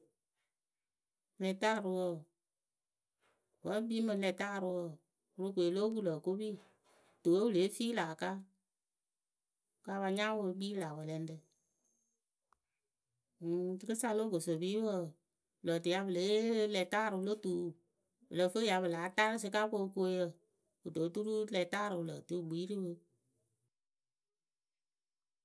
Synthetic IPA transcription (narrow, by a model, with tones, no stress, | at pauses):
lɛ˧taː˦˨ɾɨ˧wə˧˨ | wə˨˦biː˦mɨ˧lɛ˧taː˦˨ɾɨ˧wə˧˨ | wɾu˧kʷe˨lo˦ku˦lə˨ko˦biː˦ | tu˨wo˦bɨ˨le˨˦fiː˦laː˨ka˦ | ka˧˦ba˧ɲãː˦wo˧ɡ͡biː˦laː˨wə˨lɛ˧n˦dɨ˧˨ | tɨ˦kɨ˦sa˧lo˦ɡo˨so˨biː˦wə˦˨ | lə˨tɨ˨˧ja˧bə˨le˨˦lɛ˧˨taː˦˨ɾɨ˧lo˦tu˨˦˨ | bɨ˨lə˨˦fə˦ja˧bə˨laː˨˦ta˦ɾɨ˦s̬ɨ˧ka˦ko˧˦˧ko˧˦jə˧˨ | wo˨do˨˦tu˦ɾu˦lɛ˧˨taː˦˨ɾɨ˨˧lə˨tɨ˦˨ɡ͡bi˨˦ɾi˦wə˧